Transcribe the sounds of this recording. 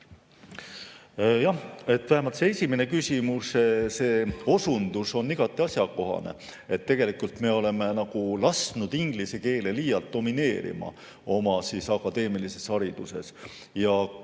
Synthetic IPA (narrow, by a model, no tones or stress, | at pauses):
jɑhe̞t̪ːvæhemɑlt̪see̞sʲimene̞kysʲimusse̞ːo̞sund̪uso̞nːiɡ̥ɑt̪ːˑiɑsʲjɑko̞ɦɑ̰ne̞̰ | e̞t̪ːe̞ɡ̥e̞likult̪me̞o̞le̞me̞nɑɡ̥ulɑsnud̪̥iŋɡ̥liseke̞ːlelijɑlt̪̚d̪̥o̞mine̞ːɾḭmɑ̰ | o̞mɑsisɑkːˑɑd̪̥e̞ːmilise̞sɑɾid̪̥use̞s | jɑ